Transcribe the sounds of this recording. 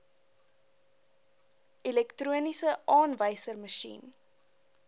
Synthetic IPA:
ʔilɛktruənisəʔɑːnvəjsərməʃḭn

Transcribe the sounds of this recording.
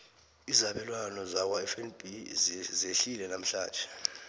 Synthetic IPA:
izaɓɛlwanɔzak̬waɛfɛnbizeɬilɛnam̩ɬa̰ːnt͡ʃʼɛ̥

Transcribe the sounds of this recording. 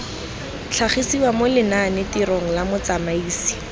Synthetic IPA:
t͡ɬʰaχisiwamʊlɪnanɪtiɾoŋ̩lamʊt͡samaiːsi̥

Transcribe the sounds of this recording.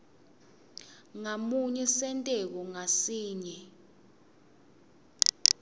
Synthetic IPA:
ŋamuɲɛsɛntʼɛk̬ɔŋasiːɲɛ

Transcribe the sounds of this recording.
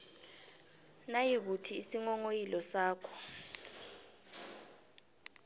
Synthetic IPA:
najik̬utʰiːsiŋɔŋojilɔsaːkʰɔ̥

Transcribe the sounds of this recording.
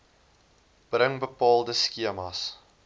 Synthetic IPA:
b̥rəŋbəpɑːlˠdəskiəmɐs

